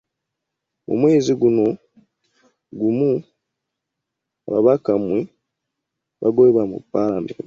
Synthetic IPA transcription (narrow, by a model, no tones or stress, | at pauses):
mṵmwe̞ːziɡuno̞ | ɡumu | a̰βa̰βakamwi | βaɡoeβamṵpaɾamḛɾi